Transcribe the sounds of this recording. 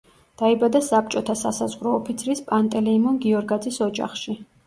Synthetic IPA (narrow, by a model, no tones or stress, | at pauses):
d̪̥aibad̪asap̚t͡ʃʼɔt̪ʰasasazʁɾɔːpʰit̪sʰɾispʼant̪ʼɛlɛːmɔnɡiɔɾɡad̪zisɔd͡ʒa̰χʃi